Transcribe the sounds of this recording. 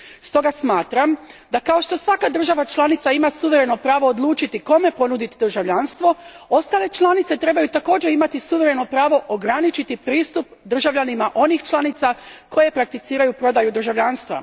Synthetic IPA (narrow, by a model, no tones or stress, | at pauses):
st̪o̞ɡasmaːt̪ɾamd̪akao̞ʃt̪o̞sʋakad̪ɾr̩ʒaʋat͡ʃlˠanit̪saimasuʋe̞ɾe̞no̞pɾaːʋo̞ːd̪lˠuːt͡ʃit̪iko̞me̞po̞nud̪it̪d̪ɾrʒaʋʎanst̪ʋo̞o̞st̪aːle̞t͡ʃlˠanit̪se̞t̪ɾe̞bajut̪ako̞ːd͡ʒeimat̪isuʋe̞ɾe̞no̞pɾaːʋo̞ʔoɡɾanit͡ʃit̪ipɾiːst̪up | d̪r̩ʒaʋʎʲanimaʔo̞nixt͡ʃlˠanit̪sakʰo̞je̞pɾak̚t̪it̪siːɾajupɾo̞d̪ajud̪r̩ʒaʋʎanst̪ʋa̰